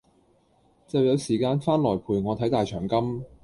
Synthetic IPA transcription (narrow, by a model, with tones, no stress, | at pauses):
t͡sɐ˨wjɐ˨˧wsiː˨˩kaː˧nfaː˥nlɔː˨˩jpʰuː˨jŋɔː˨˧t̪ʰɐ˨˥jt̪aː˨jt͡ʃʰœː˨˩ŋkɐ˥m